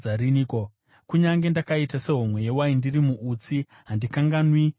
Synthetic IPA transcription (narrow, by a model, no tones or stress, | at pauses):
aɾiniːko | kuɲaŋɡe̞ndakaitase̞ɦomwe̞jewaindirimuʔut͡si | ɦandikaŋɡanwi